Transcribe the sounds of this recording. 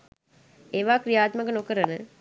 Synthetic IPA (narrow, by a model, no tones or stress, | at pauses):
eːʋaːkɾijaːt̪mɐkɐnokɐɾɐnə